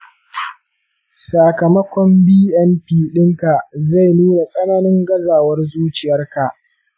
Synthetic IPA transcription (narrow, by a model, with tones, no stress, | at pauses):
saː˨kɐ˨mɐ˦kʷɔ˦mbiː˦ʔɛ˦mpiː˨ɗɪ˦ŋka˨ʔza˦˨jnuː˦na˨sʼɐ˦naː˦nɪ˦ŋɡɐ˦zaː˨wɐ˦rzuː˦t͡ʃɪ˨jɐ˦rka˨ʔ